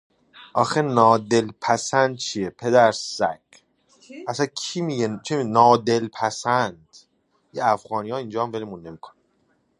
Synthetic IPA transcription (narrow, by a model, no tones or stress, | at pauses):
ʔɒːxenɒːd̪elpʰæsænd̪̚t͡ʃʰiepʰe̞d̪æɾsæ̰kʰ | ʔæsænkʰimiɟet͡ʃʰiminɒːd̪elpʰæsænd̪̥ | jeæfɣɒːnijɒːind͡ʒɒːæmvelemunːe̞mikʰo̥næ